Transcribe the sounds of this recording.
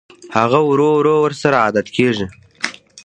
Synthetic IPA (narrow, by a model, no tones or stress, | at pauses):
haɣawɾowɾowəɾsaɾaɑd̪at̪kʰeʐi